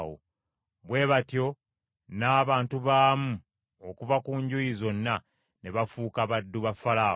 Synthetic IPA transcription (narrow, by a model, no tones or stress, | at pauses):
wo̰ | βwe̞ːβatjo̞ | naːβaːntuβaːmu | okuvakuːɲɟujizo̞nːa | ne̞βafuːkaβadːuβafalaː